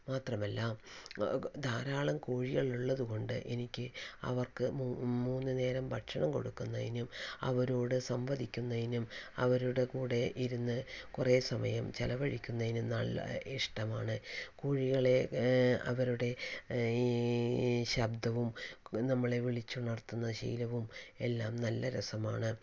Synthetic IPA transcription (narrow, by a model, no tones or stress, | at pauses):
maːt̪rɐmɐlːɐm | d̪ʱaːɾaːɭɐmkuːɻiɣɐɭuɭːɐðuɣo̞ɳɖɨ̰ʔe̞nikʲːɨɐ̰ʋɐrkɨmːmuːnːɨne̞ːɾɐmbʱɐʈʂɐɳɐmko̞̰ɽukːunːɐðinumɐ̰ʋɐɾoːɽɨsɐmʋɐd̪ʱikʲːunːɐðinumɐ̰ʋɐɾuɽekuːɽe̞ʔiɾunːɨkureːsɐmɐjɐmt͡ɕɐlɐʋɐɻikʲːunːɐðinumnɐɭɐ̰iʂʈɐma̰ːɳɨkuːɻiɣɐɭe̞ɐ̰ʋɐɾuɽe̞ | ɕɐbd̪ɐʋumnɐmːɐɭe̞ʋiɭit͡ɕːuɳɐrt̪ːunːɐɕḭjlɐʋume̞lːaːmnɐlːɐɾɐsɐmaːɳɨ